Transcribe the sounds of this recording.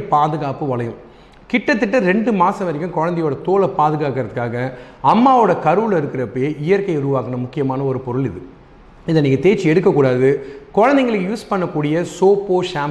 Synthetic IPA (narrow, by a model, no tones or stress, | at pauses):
paːðɯɣaːpɯʋɐlɐjɯ̃m | kɪʈːɐt̪̬ːɯʈːɐɾɛɳɖɯmaːsɐ̃ʋɐɾɐkːɯ̃mkɔɻɐnd̪ɛjoːɽɐt̪oːlɐpaːðɯɣaːkɪɾɐt̪ɯkːaːɣɐ | ɐmːaːoːɽɐkɐɾɯʋɯlɐɪɾɯkːɪɾɐpːɐjeːʔɪjɐɾkɐɪʊɾɯʋaːkɐɳɐmʊkːɪjɐmaːnɐɔɾɯpɔɾɯɭɪðɯ | ɪðɐniːŋɡɐt̪eːɾt͡ʃːiɛɽɯkːɐkːuːɽaːðɯkɔɻɐnd̪ɛŋɡɐɭɯkːɯjuːspɐɳːɐkːuːɽɪjɐsoːpoːʂaːm